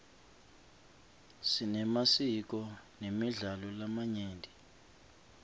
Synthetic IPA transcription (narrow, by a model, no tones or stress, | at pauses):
sinɛmasik̬ɔnemiɮalɔlamaɲeːndʱi